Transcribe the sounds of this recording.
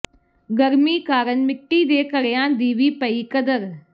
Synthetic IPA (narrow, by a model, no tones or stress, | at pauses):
ɡəɾmiːkaːɾənmɪʈːiːd̪eːkəɾejãːd̪iːʋiːpəiːkəd̪əɾ